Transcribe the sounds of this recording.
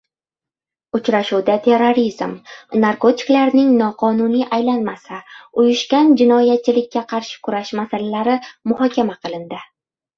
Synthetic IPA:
ʊt͡ʃɾaʃuwd̪at̪ʰe̞ɾːoɾizmnaɾko̞t̪ʰɪ̥klaɾnɪŋnɒqʰɒnʊnijʔajlanmasaʊjʊʃɡʲand͡ʒɪnɒjat̪̚t͡ʃʰɪlɪkʲːaqʰɑɾʃɪ̥kʰʊɾaʃmasalalaɾɪmʊhɒkʲamaqʰɨlˠɪnd̪ɪ

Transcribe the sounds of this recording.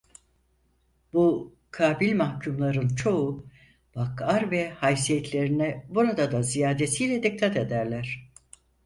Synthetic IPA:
bu | kʰaːbilʲmahcʰumlˠaɾɯnt͡ʃʰo̞u | bakaɾvɛhajsijɛt̪ʰlʲe̞ɾinɛbuɾad̪ad̪azijaːd̪e̞sijlʲɛd̪ikt̪ʰːat̪e̞d̪æɾlʲæɾ̥

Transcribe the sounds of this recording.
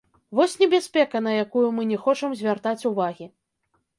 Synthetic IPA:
vɔsʲnʲɛbʲaspʲɛkɐn̪ɐjakujumɨnʲɛxɔt͡ʂɐmzʲvʲart̪at͡sʲuvaɣʲi

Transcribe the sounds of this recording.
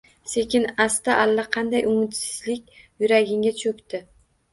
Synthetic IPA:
se̞kʲɪnast̪aʔalːaqʰɑnd̪ajʔʊŋɪt̪sɪ̥zlɪkʲjʊɾaɡʲɪŋɡʲat͡ʃʰɵkʲt̪ɪ

